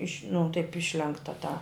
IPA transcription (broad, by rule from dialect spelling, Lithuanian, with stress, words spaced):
ɪʃʲ nʊ tɐɪp ˈɪʃʲlʲɛŋktɐ tɑː